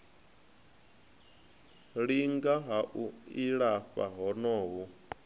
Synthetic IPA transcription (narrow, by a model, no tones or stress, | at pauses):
ɺiŋɡaɦaʔuiɺafa̰ɦɔnɔːɦu